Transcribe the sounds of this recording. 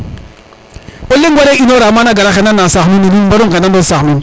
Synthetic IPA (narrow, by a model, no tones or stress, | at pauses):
olːeŋɡwaɾeʔinoɾamanaɡaɾaxenanːasaxuninibaɾoŋkenandosanũn